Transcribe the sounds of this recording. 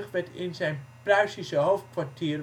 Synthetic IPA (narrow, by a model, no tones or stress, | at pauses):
χʋɛtɪnzɛjnprœɥsisəɦowftkʋartiːr